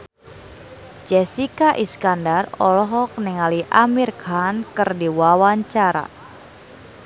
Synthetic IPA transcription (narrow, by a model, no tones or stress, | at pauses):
d͡ʒɛsikaʔiskandarɔlɔɦɔk̚nɛŋaliʔamirkankɨrdiwawaɲt͡ʃaɾa̰